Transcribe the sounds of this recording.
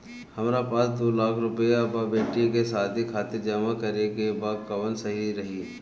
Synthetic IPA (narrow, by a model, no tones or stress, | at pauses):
hɐmɾapaːsd̪oːlaːkʰɾʊpejababeːʈikesaːd̪ʱikʰaːt̪ɪɾd͡ʒɐmakɐɾekebaːd̪̚kɐʋənsɐɦiɾɐɦi